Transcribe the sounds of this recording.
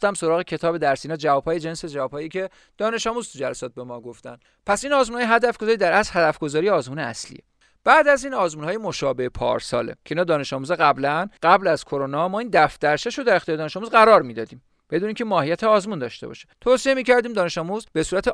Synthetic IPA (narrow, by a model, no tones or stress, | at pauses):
t̪æmso̞ɾɒːɣe̞cʰe̞t̪ʰɒːbe̞d̪æɾsiːnɒːd͡ʒævɒːb̥hɒːjed͡ʒensed͡ʒævɒːb̥hɒːjicʰe̞ | d̪̥ɒːne̞ʃɒːmuːzt̪ʰud͡ʒælæsɒːt̪̚be̞mɒːɡoft̪æ̰n | pʰæsiːnɒːzmunhɒjeɦæd̪æfɡ̥ozɒːɾiːd̪æɾæslhæd̪æfɡo̞zɒːɾijeɒːzmuːneæ̰slḭje | b̥æːd̪æziːnɒːzmuːnhɒːjemo̞ʃɒːbe̞hepʰɒ̰ːɾsɒ̰ːlḛcʲʰeinɒːd̪ɒːne̞ʃɒːmuːzɛɣæblænɢæblæz̥kʰoɾonɒmɒːind̪æfd̪̥æɾʃʰeʃod̪æɾe̞xt̪iːɾed̪ɒːneʃɒːmuzɢæɾɒːɾmiːd̪ɒːd̪iːm | b̥e̞d̪uniːmcʰemɒːhijæt̪ʰeɒːzmund̪ɒ̰ʃt̪e̞bɒ̰ʃe̥t̪ʰosiemiːcʰæɾd̪iːmd̪ɒːne̞ʃɒːmuzbe̞suːɾæt̪ʰe